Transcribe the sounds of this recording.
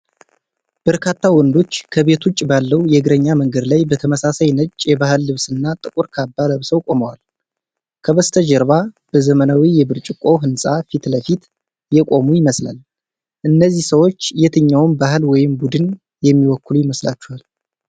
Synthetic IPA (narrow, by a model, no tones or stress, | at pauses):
b̥əɾkʰat̪ʰːawɔnd̪o̞t͡ʃːkʰəβe̞t̪ʰut͡ʃʼːbalːəwjɛɡɨɾəɲːaməŋɡəd̪lajbət̪ʰəməsasajnət͡ʃʼːjɛbahɨlːɨβsɨnːat̪ʼɨkʼuɾkʰabːaləβsəwkʼo̞məwal | kʰəβəst̪ʰəd͡ʒɛɾβa | b̥əzəmənawijɛβɨɾt͡ʃʼɪkʼo̞ɦɨnsʼafit̪ləfit̪ | jɛkʼo̞mujɪməsla̰l | ʔɨnːəzːihsəwo̞t͡ʃːjɛt̪ʰɨɲːawnbahɦɨlwɔjɪmbud̪ɨn | jɛmːiwɔkːɨlujɪməslat͡ʃːɛhal